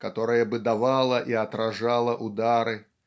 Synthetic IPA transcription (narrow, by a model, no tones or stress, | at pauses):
kat̪ɔɾɨjɐbɨd̪avalˠɐʔiɐt̪ɾaʐalˠɐʔud̪aɾɨ